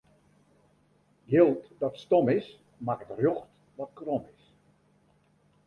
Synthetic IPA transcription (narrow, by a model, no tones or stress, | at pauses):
ɡjɪlˠtdɔtstomɪs | makətrjoxt | ʋɔt̚kromɪs